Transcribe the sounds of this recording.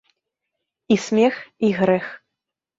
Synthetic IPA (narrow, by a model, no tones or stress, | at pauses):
isʲmʲɛxiɣɾɛx